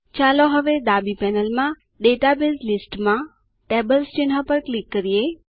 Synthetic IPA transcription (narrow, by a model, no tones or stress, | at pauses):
t͡ʃaloɦəʋed̪abipɛnəlmã | ɖeʈabilʈlisʈmã | ʈebəlst͡ʃɪnɦapəɾklikːəɾije